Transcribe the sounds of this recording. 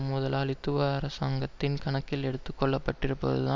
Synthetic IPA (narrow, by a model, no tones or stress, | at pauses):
mʊðɐlaːlɪt̪ːɯʋɐɐɾɐsaːŋɡɐt̪ːɪnkɐɳɐkːɪlɛɽɯt̪ːɯkːɔɭːɐpːɐʈːɪɾɯpːɐ̰ðɯ̰ðãː